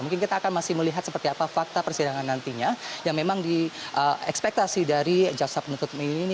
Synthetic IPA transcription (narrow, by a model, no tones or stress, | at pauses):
muŋkɪnkit̪aːkanmasɪhməliɦat̪səpərt̪iapafak̚t̪apərsidaŋanːant̪iɲajaŋmemaŋdiʔəɛkspɛk̚t̪asidaɾid͡ʒawsapənut̪ʊt̪̚min